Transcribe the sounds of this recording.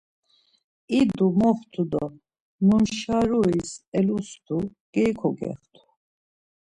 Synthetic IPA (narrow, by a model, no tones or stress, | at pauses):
id̪umɔft̪ʰud̪ɔ | munʃaɾuisɛlust̪ʰuɡ̥ɛkʰɔɡɛ̰χt̪ʰu̥